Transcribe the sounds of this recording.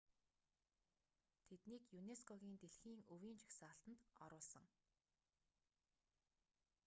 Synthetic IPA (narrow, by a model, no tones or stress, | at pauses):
t̪ʰet̪niːkjuneskʰɔɣʲiːnt̪eɮxiːŋɵwiːnt͡ɕʰi̥xsaːɬt̪ə̆nt̪ɔ̰ɾʊːɮsə̆ŋ